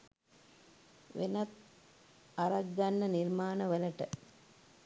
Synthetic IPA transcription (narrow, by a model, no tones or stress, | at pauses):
ʋḛnɐt̪ | aɾɐɡːanːəniɾmaːnəʋəlɐʈə